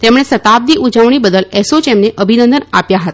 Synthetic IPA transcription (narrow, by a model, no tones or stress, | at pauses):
t̪emɽ̃esət̪ab̚d̪iʔud͡ʒəʋɳ̃ibəd̪əlesot͡ʃemneʔəbʱinənd̪ənapjaɦət̪a